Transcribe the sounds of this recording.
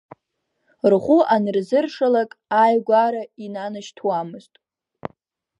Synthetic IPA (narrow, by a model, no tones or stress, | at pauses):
rχʷuanɨrzɨrʂalakʼajɡʷaɾainanaʃtʰwamɨztʼ